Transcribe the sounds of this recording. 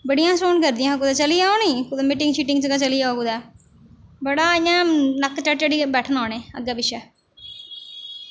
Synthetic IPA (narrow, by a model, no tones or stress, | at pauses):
bəɽijãːsoːnkəɾd̪ɪjãːkuːd̪aːt͡ʃəlijaːoniːkʊd̪ːmiːʈɪŋʃiːʈɪŋɡt͡ʃəɡaːt͡ʃəlijakuːd̪ɛː | bəɽaːɪjãːnəkːt͡ʃəʈd͡ʒəɽiːbɛːʈʰənaːnẽːə̰ɡaːbɪʃɛː